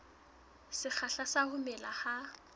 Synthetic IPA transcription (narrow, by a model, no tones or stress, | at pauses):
sɪk͡xʰaɬasahʊmɛlaha